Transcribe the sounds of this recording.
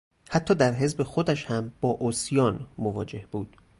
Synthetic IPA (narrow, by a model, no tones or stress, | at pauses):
hæt̪ʰːɒːd̪æɾɦe̞zbe̞xod̪æʃhæmb̥ɒːʔosjɒːnmovɒ̰ːd͡ʒe̞hb̥uːd̪̥